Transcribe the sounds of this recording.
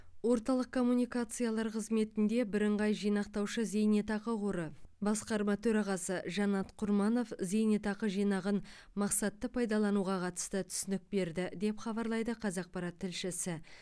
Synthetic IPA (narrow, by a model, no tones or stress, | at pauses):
wo̞ɾt̪ɑlˠəq̚kʰo̞mːunijkat̪sɨjalˠɑɾqʰəzme̞t̪ɪnd̪e̞bɪɾəɴʁɑjʒijnɑqt̪ɑwʃəze̞jnet̪ɑqəqoɾəbɑsqɑɾmɑt̪ʰɵɾɑʁɑsəʒɑnɑt̪qʰʊɾmɑno̞fze̞jnet̪ɑqəʒijnɑʁən | mɑqsɑt̪ːəpʰɑjd̪ɑlˠɑnuʁɑqʰɑt̪ə̥st̪ət̪ʰʏ̥sɪnɪk̚be̞ɾd̪ɪd̪e̞pχɑbɑɾlˠɑjd̪əqʰɑzɑq̚pɑɾɑt̪ʰːɪlʃɪsɪ